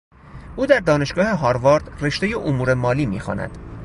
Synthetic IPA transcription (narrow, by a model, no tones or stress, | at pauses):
ʔuːd̪æɾd̪ɒːne̞ʃɡɒːhe̞ɦɒːɾvɒːɾd̪re̞ʃt̪e̞jeʔomuːɾe̞mɒːliːmḭːxɒ̰ːnæ̰d̪̥